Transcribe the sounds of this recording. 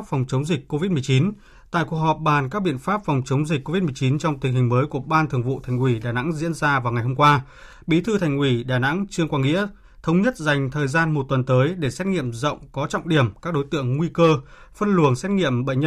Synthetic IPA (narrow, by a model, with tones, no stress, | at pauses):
p̚fɔ˨˩wŋ͡mt͡ɕə˨˦wŋ͡mzï˨˩k̟̚ko˧vi˦˥t̚mɨ˨˩ət͡ɕi˨˦n | t̪a̰ː˧˨jku˨˩ək̚hɔ˨˩p̚ɓaː˨˩nkaː˦˥k̚ɓḭ˧˨ənfaː˦˥p̚fɔ˨˩wŋ͡mt͡ɕə˨˦wŋ͡mzï˨˩k̟̚ko˧vi˦˥t̚mɨ˨˩ət͡ɕi˨˦nt͡ɕɔ˧wŋ͡mt̪ï˨˩ŋ̟ɦi˨˩ŋ̟məː˨˦jku˧˩əɓaː˧nt̪ʰɨ˨˩əŋvṵ˧˨t̪ʰa˨˩jŋ̟wi˧˩ɗaː˨˩na̰˧˥ŋzḭ˧˥ənzaː˧vaː˨˩wŋa˨˩jhɦo˧mŋ͡mkwaː˧ | ɓi˨˦t̪ʰɨ˧t̪ʰa˨˩ŋ̟ʔwi˧˩ɗaː˨˩na̰˧˥ŋt͡ɕɨ˧əŋkwaː˧ŋḭ˧˥ə | t̪ʰə˨˦wŋ͡mɲə˦˥t̚za˨˩jŋ̟t̪ʰəː˨˩jzaː˧nmo˨˩t̚t̪wə˨˩nt̪əː˨˦jɗe˧˩sɛ˦˥t̚ŋḭ˧˨əmzə̰˧˨wŋ͡mkɔ˨˦t͡ɕɔ̰˧˨wŋ͡mɗi˧˩əmkaː˦˥k̚ɗo˨˦jt̪ɨ̰˧˨əŋŋwi˧kəː˧fə˧nlu˨˩ənsɛ˦˥t̚ŋḭ˧˨əmɓə̰˧˨ɲə˧